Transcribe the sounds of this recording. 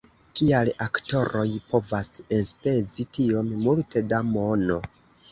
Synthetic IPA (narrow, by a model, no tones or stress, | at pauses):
kialakto̞ɾo̞jpo̞vasenspe̞zitio̞mmultʰe̞damo̞no̞